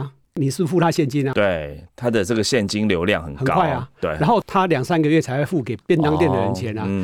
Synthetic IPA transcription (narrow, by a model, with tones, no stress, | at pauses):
ni˨˩su˥fu˥˧t̪ʰa˦ɕjɛ˥˨nt͡ɕi˦na˨t̪we˥˩ɪt̪ʰa˦d̪ə˨t͡sə˥˨˩ɡə˨ɕjɛ˥˨nt͡ɕi˦nljo˧˦ʊljɑ̰˥˨ŋhə˨˩nxə˨˩kkwa˥˩ɪa˨˩we˥˩˨a˧˦nxo˥˨ʊt̪ʰa˦ljɑ˨˩ŋsa˦nɡə˨ɥɛ˥˩t͡sʰa˧ɪxwe˥˧ɪfu˥˩ke˨˩ɪpjɛ˥˧˦nt̪a˥˦ŋt̪jɛ˥˨nd̪ə˨ɻə˨˧˦nt͡ɕʰjɛ˨˦na˧